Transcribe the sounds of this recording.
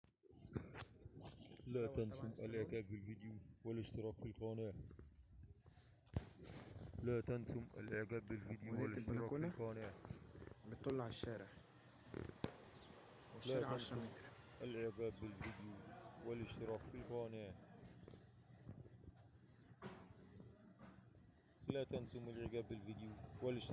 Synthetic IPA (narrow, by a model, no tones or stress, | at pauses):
laːt̪ansʊmalʔaʕkaːbːɪlvid̪juwɪlɪʃt̪ɪɾɑːkfilqɑːnɪʕ | laːt̪ansʊmʔa̰lʔɪʕɡaːbːɪlvid̪juwælɪʃt̪ɪɾɾɑːknqɑːnɪʕ | bɪt̪ˤːɑlːɑʕaʃːæːɾɪʕ | laanant̪ɾʔalʔɪʕɡaːbːɪlvɪd̪juwɪlɪʃt̪ɪɾɑːkfilqɑːnɪʕ | lat̪ansʊmɪlʕɪɡaːbːɪlvid̪juwɪlɪʃ